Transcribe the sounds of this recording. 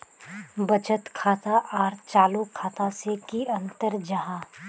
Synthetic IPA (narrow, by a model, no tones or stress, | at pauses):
bɐt͡ʃət̪kʰaːt̪aʔaːɾt͡ʃaːlukʰaːt̪asekiɐ̃nt̪əɾd͡ʒɐɦãː